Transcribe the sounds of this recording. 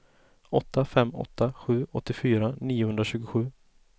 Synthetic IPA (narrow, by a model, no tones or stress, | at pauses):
ɔt̪ːafɛmːɔ̰t̪ʰːaɧʉ̟ːʔɔt̪ːɪfyːɾaniːʊhɵnd̪ɾaɕʉːɡʊɧʉ̟ː